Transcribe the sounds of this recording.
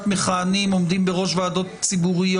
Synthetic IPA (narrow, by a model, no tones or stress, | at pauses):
t̪meχaːnimo̞md̪imbeʁo̞ʃvaːdo̞t̪t͡sibuʁij